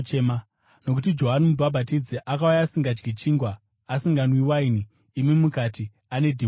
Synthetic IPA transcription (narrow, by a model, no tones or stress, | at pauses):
t͡ʃːma | no̞k̬utid͡ʒo̞ɦanumubʱabʱatid͡ziʔakaujaːsiŋɡad͡ʒɡʱit͡ʃiːŋɡwa | asiŋɡanwiwainiː | mimukati | ane̞dʱi